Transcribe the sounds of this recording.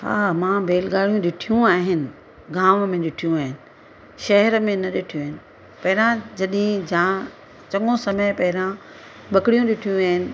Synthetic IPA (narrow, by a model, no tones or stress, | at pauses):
ɦa̰ːmãːbʱeːlɡaːɽijũɗɪʈʰijũaːɦɪnɪ̆ | ɡaːmmẽɗɪʈʰijũaːɦɪnɪ̆ | ʃɐɦəɾə̆mẽnɐɗɪʈʰijũaːɦɪnɪ̆ | pɐɦɪɾãd͡ʑɐɗɪɦẽd͡ʑã | t͡ɕɐ̃ŋɠõsɐməjpɐɦɪɾã | ɓɐkɽijũɗɪʈʰijũaːɦɪnɪ̆